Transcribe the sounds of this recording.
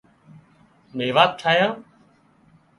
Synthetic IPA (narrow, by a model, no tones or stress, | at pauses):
meːʋaːt̪̚t͡ʃʰaːjãː